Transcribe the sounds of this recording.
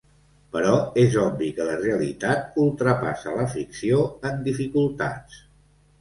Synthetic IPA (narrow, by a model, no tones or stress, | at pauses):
pəɾɔezɔbikələreəlḭt̪at̪̚ulˠt̪ɾəpasələfiksioənd̪ifikulˠt̪a̰t͡s